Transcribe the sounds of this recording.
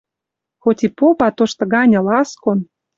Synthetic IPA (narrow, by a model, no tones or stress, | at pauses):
xot̪ʲipopɑt̪oʃt̪ɤ̆ɣɑnʲɤ̆lɑskon